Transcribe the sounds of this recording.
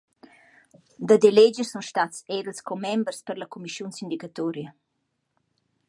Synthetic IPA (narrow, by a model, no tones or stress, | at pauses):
d̪əd̪eled͡ʒəsunʃt̪atseɾəlskomɛmbrspəɾlakumiʃjunsind̪ikat̪ɔɾjə